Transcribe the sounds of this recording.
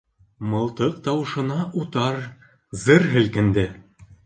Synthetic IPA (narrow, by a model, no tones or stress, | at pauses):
mɤ̆lˠt̪ɤq̚t̪ɑwɤ̆ʃɤ̆nɑʔut̪ɑɾ | zɤɾɦɘ̆lkɘ̆nd̪ɘ